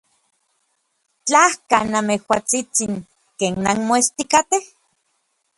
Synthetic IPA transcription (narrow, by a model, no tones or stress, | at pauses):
t͡ɬahkanamehwat͡sit͡siŋ | keːnːanmoest̪ikat̪eh